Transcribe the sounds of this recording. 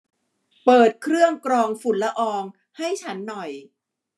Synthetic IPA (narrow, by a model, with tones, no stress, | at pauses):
pɤː˨˩t̪̚kʰɾɯ˥˩əŋkɾɔː˧ŋfu˨˩nla˦˥ʔɔː˧ŋ | ha˥˩jt͡ɕʰa˦˥nːɔ˨˩j